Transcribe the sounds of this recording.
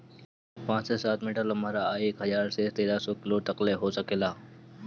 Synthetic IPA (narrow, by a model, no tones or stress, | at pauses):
pãːt͡ʃsesaːt̪mɪʈəlɦɐmaːɾaːeːkɦəzaːɾset̪eːɾasɔkɪlot̪ɐqleɦosəkeːlaː